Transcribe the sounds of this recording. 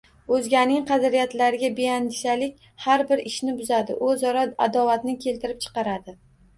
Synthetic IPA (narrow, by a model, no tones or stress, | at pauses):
ɵzɡʲanɪŋqʰɑzɾijat̪laɾɪɡʲabeand̪ɪʃalɪkʲ | haɾbɪɾɪʃnɪbʊzad̪ɪ̰ʔɵzɒɾaa̰d̪ɒvat̪nɪkʲʰe̞lt̪ʰɪɾɪp̚t͡ʃʰɨ̥qɑɾad̪ɪ